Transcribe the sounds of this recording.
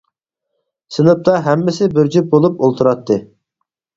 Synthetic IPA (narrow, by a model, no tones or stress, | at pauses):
sɨnɨp̚t̪ʰɑɦɛmːɪsɪbɪɾd͡ʒyp̚bolˠup̚olˠt̪ʰuɾɑt̪ʰːɨ